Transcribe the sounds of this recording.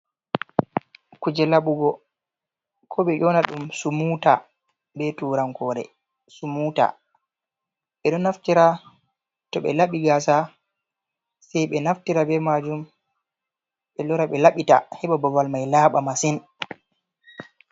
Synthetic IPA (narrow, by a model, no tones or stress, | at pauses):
kud͡ʒɛlaɓuɡɔ | kʰɔɓɛjɔnaɗumsumuta | bɛtuːɾaŋkɔɾɛ̰ | sumuta̰ | ɓɛɗɔnːaftiɾa | tɔɓɛ̰laɓiɡaːsa | sɛjɓɛnaftiɾabɛmad͡ʒum | ɓɛlɔɾaɓɛlaɓita̰hɛɓabɔvalmajlaːɓamasin